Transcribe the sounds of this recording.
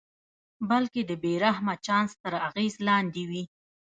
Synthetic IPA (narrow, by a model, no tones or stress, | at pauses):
balked̪əbeɾaɦmat͡ʃɑnst̪əɾaɣezlɑnd̪ewi